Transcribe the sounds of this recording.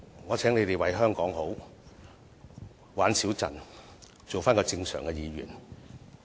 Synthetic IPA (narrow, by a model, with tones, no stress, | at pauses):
ŋɔː˨˧t͡sʰɛː˨˥ŋle˨˧jt̪e˨jwɐ˨˥jɦœː˥ŋkɔː˨˥ŋho˨˥w | waː˨˥nsiː˨˥wt͡sɐ̰˨˩n | t͡so˨wfaː˥nkɔː˧t͡sɪ˧ŋsœ̰ː˨˩ŋkɛ˧jiː˨˧ɥyː˨˩n